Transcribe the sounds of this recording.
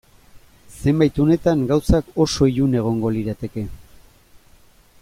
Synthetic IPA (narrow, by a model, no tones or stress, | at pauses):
se̞mbajt̪one̞t̪aŋɡawsako̞so̞iɾune̞ɣ̞o̞ŋɡo̞liɾat̪e̞ke̞